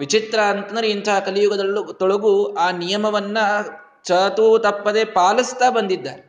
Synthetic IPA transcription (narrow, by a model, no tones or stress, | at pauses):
ʋit͡ʃit̪ɾɐɐnt̪ɐnd̪ɾeint̪ʰaɦɐkɐlijuɡɐd̪ɐlːut̪ɔɭɐɡuaːnijɐmɐʋɐnːɐ | t͡ʃɐt̪ut̪ɐpːɐd̪epaːlist̪aːbɐnd̪id̪ːa̰ːɾe